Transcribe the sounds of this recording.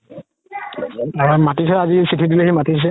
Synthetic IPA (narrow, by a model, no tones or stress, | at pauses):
aɹɔmatis̬ɛazisitʰid̬uleɦimatis̬ɛ